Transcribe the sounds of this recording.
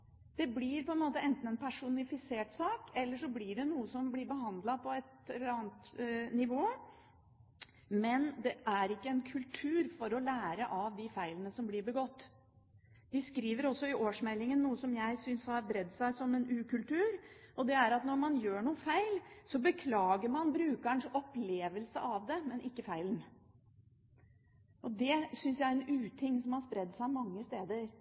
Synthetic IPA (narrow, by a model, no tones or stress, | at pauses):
d̪̥ɛblɪɾpɔɛnmoːt̪əɛnt̪n̩ɛnpʰæʂʊnɪfɪseːʈsɑːkɛlːəʂɔblɪɖɛnuːəsɔmblɪɾbəɦɑnd̪lɑpʰɔɛt̪ɛlɑːnt̪nɪʋoː | mɛnd̪ɛʔæɾɪkːəɛnkʰʉlt̪ʰʉːɾfɔɾɔlæːɾəʔɑʋd̪ɪfæɪlənəsɔmblɪɾbəɡɔt̪ː | d̪̥ɪskɾiːʋəɾɔsːɔɪʔoːʂmɛlːɪŋənːuːəsɔmjæɪsʏnshɑɾbɾɛd̪ːsæɪsɔmːɛnʉːkʉlt̪ʉːɾɔd̪ɛæɾɑt̪nɔɾmɑnjøːɳuːəfæɪlsɔbəkʰlɑːɡəɾmɑnbɾʉːkəɳʂɔpleːʋəlsə̰ʔɑʋd̪ɛmɛnʔɪkːəfæɪlən | ʔɔd̪ɛsʏnsjæɪɾɛnʉːt̪ʰɪŋːsɔmhɑspɾɛd̪ːsæɪɑmɑŋːəst̪eːd̪əɾ